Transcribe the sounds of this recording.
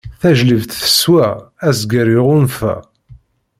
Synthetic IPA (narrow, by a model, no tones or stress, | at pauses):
θæʒləvt̪θə̥swææzɡəɾiʁʊnfæ̰